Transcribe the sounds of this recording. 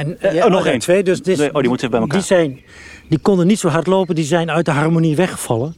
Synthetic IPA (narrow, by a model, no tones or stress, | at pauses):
ɛnnɔχentʋejdøsdɪodimutɛvbɛjməkadizɛjn | dikɔndənitsowɦɑɹtloːpəndizɛjnœɥt̚dəɦɑrmoniʋɛχə̥v̥ɑlən